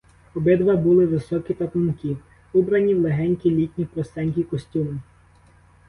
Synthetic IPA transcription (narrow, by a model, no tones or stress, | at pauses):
ɔbɪd̪ʋɐbulˠɪʋɪsɔkʲip̪ɐt̪ʊnkɪ | ubɾɐnʲiwlˠeɦɛnʲkʲilʲitʲnʲipɾɔst̪ɛnʲk̬ʲikɔsʲtʲumɪ